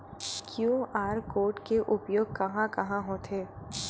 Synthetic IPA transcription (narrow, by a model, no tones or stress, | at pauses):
kjuːaːɾkoːɾʈkeʔʊpjoːɡ̚kɐɦãkɐɦãɦõːt̪ʰɦeː